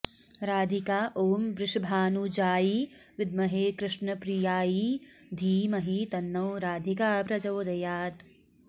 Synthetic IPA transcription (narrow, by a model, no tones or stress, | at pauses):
ɾaːd̪ʱikaːʔoːmbɾɪʃbʱaːnud͡ʒaːji | ʋɪd̪̚mɐɦeːkɾɪʃnɐpɾijaːji | d̪ʱiːmɐɦit̪ɐnːɐwɾaːd̪ʱikaːpɾɐd͡ʒɐːd̪ɐjaːt̪